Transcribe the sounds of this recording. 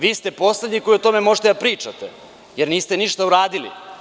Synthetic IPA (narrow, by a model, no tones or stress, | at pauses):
ʋiːst̪e̞po̞sled̪ɲiko̞iot̪o̞me̞mo̞ʒet̪ed̪apɾiːt͡ʂat̪ḛ | jeɾniːst̪eniʃt̪auɾaːd̪ilḭ